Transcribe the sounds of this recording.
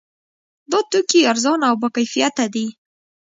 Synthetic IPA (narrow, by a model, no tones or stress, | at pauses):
d̪ɑt̪ukiaɾzɑnawbakajfijat̪ad̪i